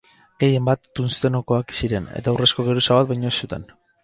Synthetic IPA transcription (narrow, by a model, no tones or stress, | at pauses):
ɡe̞je̞mbat̪ːunst̪e̞noko̞aksiɾe̞ne̞̰t̪awre̞sko̞ɣe̞ɾusaβat̪̚bajɲo̞esːut̪e̞̰n